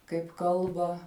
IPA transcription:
kɐɪp ˈkɐlˠbɐ

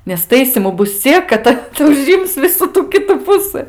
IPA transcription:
nʲɛs ˈtɐɪsʲiːmʊ ˈbʊs ˈt͡sʲiɛk kɐt ˈtɐs ʊˈʒʲɪms ˈʋʲɪsuː ˈtuː ˈkʲɪtuː ˈpʊsɨ

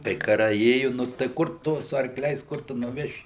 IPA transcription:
kɐɪ kɐˈrɐɪ ˈeːjʊ nʊ tɐɪ ˈkʊr ˈtʊ sʊ ɐrkˈlʲɛɪs ˈkʊr tʊ nʊˈʋʲæːʃʲɪ

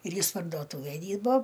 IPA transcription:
ɪr ˈjɪs pɐrdoːˈtʊʋʲæj ˈdʲiːrboː

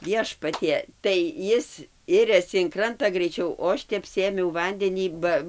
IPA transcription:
ˈʋʲiɛʃpɐtʲiɛ tɐɪ ˈjɪs ˈɪrʲɛsʲɪ ɪn ˈkrɐntɐ ɡrʲɛɪˈt͡ʃʲɛʊ oː ˈɐʃ tʲɛp ˈsʲeːmʲɛʊ ˈʋɐnʲdʲɛnʲiː ˈbɐ

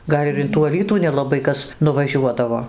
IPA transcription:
ˈɡɐlʲ ɪr ɪn tuː ɐˈlʲiːtuː nʲɛlˠɐˈbɐɪ ˈkɐs nʊʋɐˈʒʲuɔdɐʋoː

